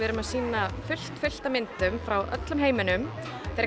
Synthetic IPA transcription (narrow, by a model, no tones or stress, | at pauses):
ɛɾʏmaðsiːnafʏl̥t̪fʏl̥t̪amɪnt̪ʏmfɾawʔœ̰t̪lʏmɦeːjmɪnʏm | θɛɾ